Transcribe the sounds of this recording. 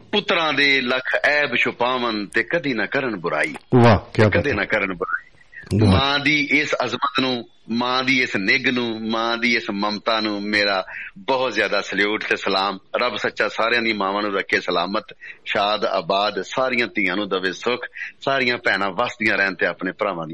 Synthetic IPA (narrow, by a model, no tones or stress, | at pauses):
pʊt̪ːɾãːd̪eːləkʰɛːbʃʰʊpãːʋənt̪eːkəd̪iːnaːkəɾəɳbʊɾa̰ːḭːʋaːtːkəd̪eːnãːkəɾəɳbʊɾa̰ːiː | mãːd̪iːʔɪsəzmət̪nũː | mãːd̪iːɪsnɪɡnũːmãːd̪iːɪsməmt̪aːnũːmeːɾaːbɔːt̪zjaːd̪aːsəljuːʈt̪eːsəlaːmɾəbsətːʃaːsaːɾjãːd̪iãːmãːʋãːnũːɾəkʰːeːsəlaːmət̪ʃaːd̪a̰ːbaːd̪saːɾɪjãːt̪ɪːãːnũːd̪əʋeːsʊkʰsaːɾɪjãːpɛːnãːʋaːsd̪ijãːɾɛːnt̪eːapneːpəɾaːʋãːd̪i